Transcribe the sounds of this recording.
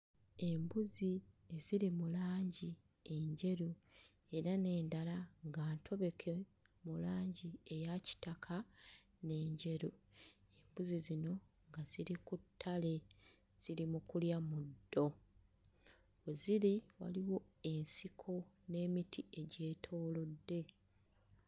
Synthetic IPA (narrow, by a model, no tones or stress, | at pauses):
e̞mbuzie̞ziɾimulaːɲɟi | e̞ɲɟe̞ɾu | e̞ɾane̞ːndalaŋɡaːntʰo̞βe̞kʰe̞mulaːɲɟie̞jaci̥takʰa | ne̞ːɲɟe̞ɾuembuzizino̞ | ŋɡaz̥iɾikutʰːale̞ | z̥iɾimukuljamudːo̞ | weziɾiwa̰liwo̞ | e̞nsikʰo̞ | ne̞ːmitʰie̞ɟe̞ːtʰo̞ːlo̞dːe̞